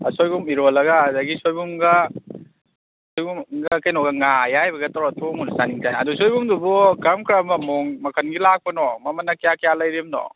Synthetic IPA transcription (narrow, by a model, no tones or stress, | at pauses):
ɐsojɡumiɾolɐɡɐdɐɡisojbumɡɐ | sojbumɡɐkɐjnɔɡɐŋajajbɐɡɐtɐwɾatʰomunusaniŋtʰajnɐdusojbumdubɔkɐmkɾɐmɐmoŋmɐkʰɐnɡilak̚pɐnɔmɐmɐnːɐkijakijalɐjɾimnɔ̰